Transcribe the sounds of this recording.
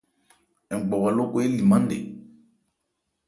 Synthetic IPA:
ɛ˨ɡ͡bɔ˨wa˨lo˦ko˦e˦li˨mã˦n˦dḛ˨

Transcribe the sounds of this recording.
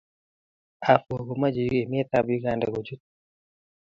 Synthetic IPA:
a˨fwo˨ɡo˨ma˦d͡ʒi˨je˨mɪ˦ɛ˦t̪a˦bji˦ɡa˨nda̰˨ɡo˨d͡ʒu˦t̪

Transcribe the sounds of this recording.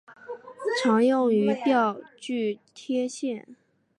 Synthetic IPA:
ʈ͡ʂʰɑ˧˥ŋjʊ˥˩ŋy˧˥t̪jɑ˥˧ʊt͡ɕy˥˩t̪ʰjɛ˥ɕjɛ˥˩n

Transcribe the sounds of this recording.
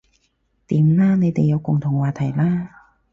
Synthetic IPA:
t̪iː˨˦mlaː˥ne˨˧jt̪e˨jːɐ˨˧wkʊ˨˩ŋt̪ʰʊ˨˩ŋwaː˨˩t̪ʰɐ˨˩jlaː˥

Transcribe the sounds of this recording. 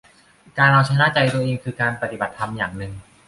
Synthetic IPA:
kaː˧nɾa˧wt͡ɕʰa˦˥jnaː˥˩t͡ɕa˧jt̪u˧ɐʔeː˧ŋkʰɯː˧kaː˧npa˧t̪i˨˩ba˨˩t̪ʰːa˧mjaː˨˩ŋnɯ˨˩ŋ

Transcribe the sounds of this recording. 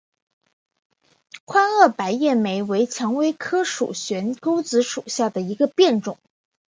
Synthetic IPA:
kʰwa˥nɤ˥˩pa˧˥ɪjɛ˥˩me˧˥ɪwe˧˥ɪt͡ɕʰjɑ˧˥ŋwe˥ɪkʰɤ˥ʂṵ˨˩ɕɥɛ˧˥nko˥ʊt͡sɹ̩˧˥ʂṵ˨˩ɕja˥˩d̪ə˩i˧˥ɡə˧pjɛ˥˩nʈ͡ʂʊ̰˨˩˦ŋ

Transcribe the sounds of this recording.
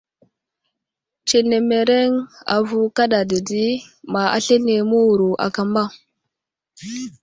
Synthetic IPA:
t͡ʃe˨ne˨me˨ɾe˦ŋa̰˨vu˦ka˦ɗa˨di˨di˦ma˨a̰˨ɬe˦ne˨mu˦wu˨ɾu˨ʔa̰˨ka˨ma˦˨

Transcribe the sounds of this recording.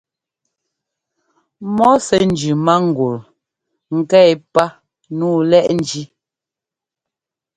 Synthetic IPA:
mɔ˦sɛ˨n˨d͡ʒʉ˨ma˦ŋ̩˨ɡu˨ɾ | ŋ̩˨kɛ˦˨pa˦ | nuː˦˨lɛ˦ʔn̩˨d͡ʒi˦

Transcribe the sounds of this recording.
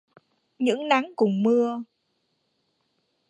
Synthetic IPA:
ɲɨ̰˧˥ŋna˨˦ŋkʊ˨˩ŋ͡mmɨ˧ə

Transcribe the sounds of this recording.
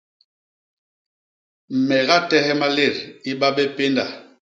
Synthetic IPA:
m̩˨mɛ˨ɣa˦tɛ˦ɦɛ˦ma˦le˦˨ɾi˦ɓa˦bɛ˦pe˦nda̰˨

